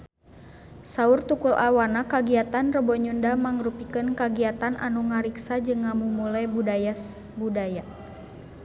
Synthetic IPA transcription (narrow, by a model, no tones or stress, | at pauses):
saurt̪ukulʔawanakaɡiat̪anrəbɔɲundamaŋɾupikənkaɡiat̪anʔa̰nuŋaɾiksad͡ʒɨŋːamumulajbudaja | budaja